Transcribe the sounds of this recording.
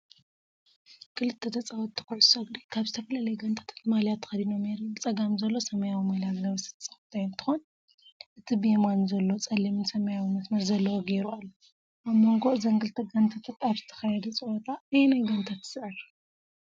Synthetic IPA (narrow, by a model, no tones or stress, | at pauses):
kʰɨlɨt̪ʰːet̪ʰɐt͡sʼɐwɐt̪ʰːɨ̥kuʕʊsɐɡd̪ikʰaβzɨt̪ʰɐfɐlalɐjɡɐnt̪ʰḁt̪ʰḁt̪malijat̪ʰːɐ̥xɐd̪ino̞mneɾubɨt͡sʼɐɡamzɐlːo̞sɐmɐjawimaljat̪nɐβɐsɨ̥t̪ʰt͡sʼɐft̪ʰajnt̪ʰɨ̥xon | ʔɨt̪ʰibemanzɐlːo̞t͡sʼɐlːimɨnsɐmɐjawimɐsmɐɾzɐlːɐwoɡeɾualːu | ʔaβmoŋɡo̞ʔzɐŋɡɨlt̪ʰɐɡɐnt̪ʰat̪ʰat̪aβzɨ̥t̪ʰɐ̥xɐjɛd̪ɐt͡sʼɐwot̪ʰaɨjɛnajɡɐnt̪ʰat̪sɨʕɨɾ